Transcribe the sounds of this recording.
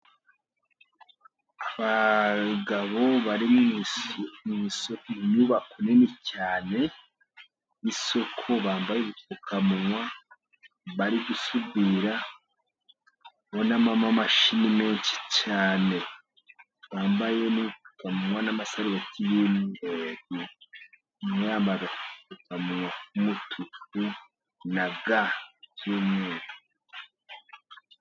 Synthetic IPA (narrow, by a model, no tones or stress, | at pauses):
aβaɡaβo̞βaɾim | mŋisokiɲuβakonenicaːne̞ | iso̞kʰo̞βaːmbajeβitukʰamuŋwa | βaɾiɡusubiɾa | βonamamamaʃinimeːnʃi̥t͡ʃaːne̞ | twaːmbaje̞niβitu̥kamuŋwanamasaɾiβatʰijinieβu | maːmbaβakuikukamuŋwakumutʰuku | naɡakjomweːɾa